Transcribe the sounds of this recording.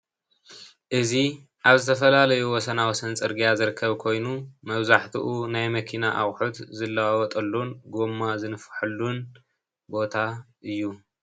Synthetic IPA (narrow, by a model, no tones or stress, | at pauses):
ʔɨzi | ʔaβzɨt̪ʰɐfɐlalɐjuwɔsɐnawɔsɐnt͡sʼɨɾɡijazɨɾɨkʰːɐβkʰo̞jnumɐβzaħt̪ʰḭʔunajmɐkʰinaʔa̰wħut̪zɨlːawawɔt̪ʼɐlːunɡomːazɨnɨfħɨlːun | bo̞t̪ʰa | ɨjːu